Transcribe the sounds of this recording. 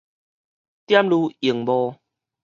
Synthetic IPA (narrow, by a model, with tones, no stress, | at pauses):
t̪ja˦mlu˧i˨˩ŋbɔ˧